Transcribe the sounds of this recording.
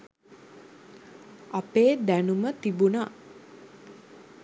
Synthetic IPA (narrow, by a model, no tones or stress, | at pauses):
apeːd̪ænumət̪ibuna